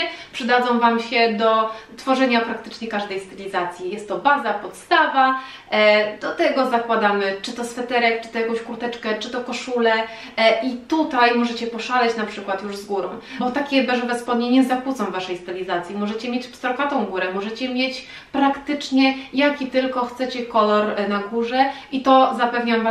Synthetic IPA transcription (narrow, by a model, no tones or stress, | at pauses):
ɛpʂɨd̪ad̪zɔ̃w̃vamɕɛd̪ɔt̪fɔʐɛɲapɾak̚t̪ɘ̥t͡ʂɲɛkaʐd̪ɛjst̪ɛlʲizat̪sʲjijɛst̪ːɔbazapɔt̪st̪ava | d̪̥ɔt̪ɛɡɔzakwad̪amɘt͡ʂɘt̪ɔsfɛt̪ɛɾɛk̚t͡ʂɘ̥t̪ɔjakɔ̃w̃ɕkuɾt̪ɛt͡ʂkɛt͡ʂɘt̪ɔkɔʂulɛ | ʔit̪ut̪ajmɔʐɛt͡ɕɛpɔʂalɛt͡ɕnapʂɘkwat̪juʐzɡuɾɔ̰̃w̃bɔt̪akʲɛbɛʐɛvɛspɔd̪ɲeɲɛzakwut̪sɔ̃w̃vaʂɛjst̪ɛlʲizat̪sʲjimɔʐɛt͡ɕɛmjet͡ɕpst̪ɾɔkat̪ɔ̃w̃ɡuɾɛmɔʐɛt͡ɕɛmʲjet͡ɕ | pɾakt̪ɘt͡ʂɲɛjakʲit̪ɘlkɔxt̪sɛt͡ɕɛkɔlɔɾnaɡuʐɛʔit̪ɔzapɛvɲav